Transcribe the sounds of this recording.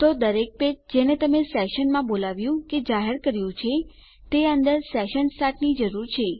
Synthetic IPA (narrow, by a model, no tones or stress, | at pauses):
t̪od̪əɾek̚ped͡ʒenet̪əmesɛʃənmãbolaʋjũked͡ʒaɦəɾkəɾjũt͡ʃʰe | t̪eənd̪əɾsɛʃənsʈaʈnid͡ʒəɾuɾt͡ʃʰe